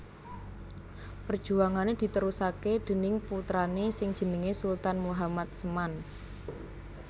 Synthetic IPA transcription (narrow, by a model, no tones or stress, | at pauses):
pərd̥ʒ̥ṳaŋaned̪̥i̤t̪əɾusaked̪̥ə̤nɪŋput̪ɾanesɪŋd̥ʒ̥ə̤nɪŋesult̪anmuɦamat̪̚səman